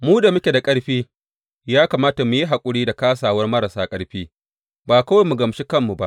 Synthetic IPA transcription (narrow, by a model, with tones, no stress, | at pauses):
muː˦da˨mʊ˦kʲe˨da˨kʼɐ˦ɽɸiː˦ | jaː˦kaː˨maː˦ta˨mu˨ji˦ɦa˨kʷʼʊ˦ɽiː˦da˨kaː˦s̬aː˨wɐ˦rmɐ˦ɾa˨saː˦kʼɐ˦ɽɸiː˦ | baː˨kɐ˦wa˦jmu˨ɡɐ˨mʃi˦kɐ˦mːu˨ba˦ʔ